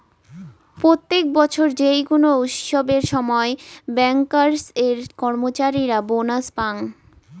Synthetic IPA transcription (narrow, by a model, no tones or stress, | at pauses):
pɾot̪ːek̚bɔt͡ɕʰoɾd͡ʑejkonout̪ʃobeɾʃɔmɔebɛŋkaɾseɾkɔɾmot͡ɕaɾiɾabonaspaŋ